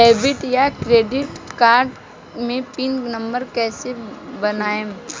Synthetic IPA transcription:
ɛːbɪʈjakɾeːɖɪʈkaːɾɖ | mẽpinnə̃mbəɾkɛːsebɐnaːe

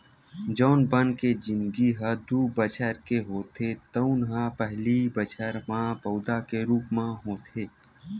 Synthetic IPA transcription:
d͡ʒɔːnbənked͡ʒɪ̃nd̪ɡiɦəd̪ubət͡ʃʰəɾkeɦoːt̪ʰet̪əunɦapɛɦlibət͡ʃʰəɾmãpəʊd̪akeɾuːpmãɦoːt̪ʰeː

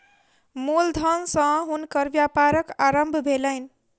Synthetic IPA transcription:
mold̪ʱʌnsʌ̃ɦunkʌɾʋjapaɾəkaɾəmbʱbʱeləjn

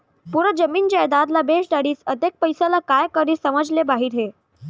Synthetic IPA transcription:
puɾəd͡zəmiːnd͡ʑajd̪ad̪labeʂɖaɽiːsət̪ek̚pəjsalakajkəɾiːsəməd͡zlebaɦiːɾɦe

